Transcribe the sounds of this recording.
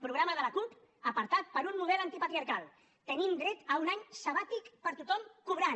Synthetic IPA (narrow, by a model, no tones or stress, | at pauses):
pɾuɣɾaməðələkup | əpəɾt̪at̪̚pəɾunːuðɛlant̪ipət̪ɾiaɾkalˠ | t̪ənimd̪ɾɛt̪əunaɲsəβat̪ikpəɾt̪ut̪ɔmkuβɾa